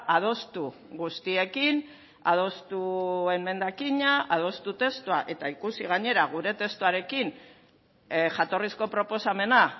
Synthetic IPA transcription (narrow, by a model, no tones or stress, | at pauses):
að̞o̞st̪uɣust̪ie̞kin | a̰ð̞o̞st̪ue̞mme̞nd̪akiɲaað̞o̞st̪ut̪e̞st̪uaʔe̞t̪aikusiɣ̞aɲe̞ɾaɣ̞uɾe̞t̪e̞st̪uaɾe̞kin | ʝat̪o̞risko̞pɾo̞po̞same̞na